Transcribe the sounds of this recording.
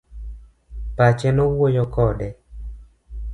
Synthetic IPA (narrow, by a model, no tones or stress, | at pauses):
pat͡ʃɛnɔwojɔkɔdɛ